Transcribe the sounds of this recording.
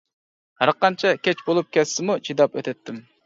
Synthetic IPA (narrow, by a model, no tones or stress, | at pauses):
hæɾqɑnt͡ʃʰɛkʲɛt͡ʃbolˠup̚kʲɛsɪmut͡ʃʰid̪ɑpøt̪ʰɛt̪ːɪm